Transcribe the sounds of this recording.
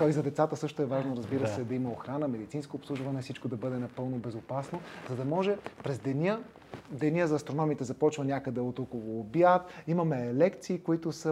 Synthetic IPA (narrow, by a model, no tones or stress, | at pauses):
t̪oizɐd̪ɛt̪sat̪əsɤʃt̪ʊɛvaʒnoɾɐzbiɾəsɛd̪ɐiməoxɾanəmɛd̪it̪sinskoːpslˠuʒvɐnɛfsit͡ʃkod̪ɐbɤd̪ɛnɐpɤlˠnobɛzopasnozɐd̪ɐmɔʒɛpɾɛzd̪ɛnʲə | d̪ɛnʲəzɐːst̪ɾonɔmit̪ɛzɐpɔt͡ʃvɐnʲakəd̪ɛot̪okolˠoːbjat̪imɐmɛlɛkt̪siːkoit̪ʊsə